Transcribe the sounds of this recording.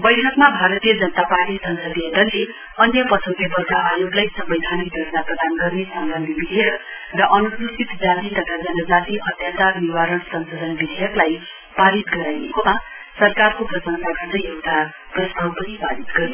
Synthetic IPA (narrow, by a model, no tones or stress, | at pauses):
bʌjʈʰʌkmabʱaɾʌt̪ijʌd͡zʌnʌt̪aparʈisʌnsʌd̪iʌʈ̪ʌle | ʌnjʌpʌsʰʌŋɡʌbʌrɡaʔajoɡlajsʌmbʌjd̪ʱanik̚d̪ʱʌɾnaprʌd̪anɡʌrnesʌmbʌnd̪ʱibid̪ʱijʌk | rʌʔʌnususit̪d͡zat̪it̪ʌt̪ʰad͡zʌnʌd͡zat̪iʌt̪jat͡sarniwaɾʌɳsʌnsod̪ʌnbid̪ʱijʌklaj | paɾit̪ɡʌɾajnekoma | sʌrkarkoprʌsʌnt̪aɡʌrd̪ʌjjewt̪ʰa | prʌst̪ʰawpʌnipaɾit̪ɡʌɾi